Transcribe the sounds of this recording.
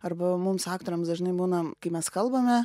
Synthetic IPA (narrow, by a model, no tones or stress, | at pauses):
ɐɾbɐmʊmsɑːkt̪oːɾʲɛmsd̪ɐʒʲɪnɐɪbuːnɐkɐɪmʲɛskɐlˠbɐmʲɛ